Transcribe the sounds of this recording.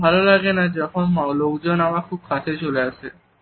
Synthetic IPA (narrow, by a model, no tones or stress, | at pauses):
bʱalolaɡenad͡ʑɔkʰonmalokd͡ʑonamakʰub̚kʰat̪ʰet͡ɕoleasʰe